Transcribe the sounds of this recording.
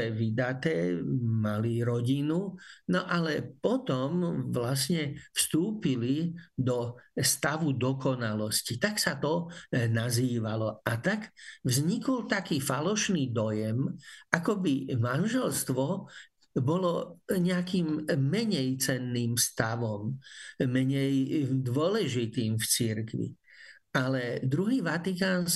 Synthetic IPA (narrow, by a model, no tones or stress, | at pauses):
ɛʋid̪at̪ɛːmaliɾɔɟinunɔʔalɛpɔt̪ɔmʋlasɲɛfst̪uːpilid̪ɔst̪aʋud̪ɔkɔnalɔscit̪aksat̪ɔnaziːʋalɔat̪aɡvzɲikɔlt̪akiːfalɔʃniːd̪ɔjɛmʔakɔbimanʒɛlst̪ʋɔ | bɔlɔɲɛakiːmːɛɲɛjt͡sɛnːiːmst̪aʋɔmː | ɛɲɛjd̪ʋɔlɛʒit̪iːmft͡siɾkʋḭ | alɛd̪ɾuɦiːʋat̪ikaːn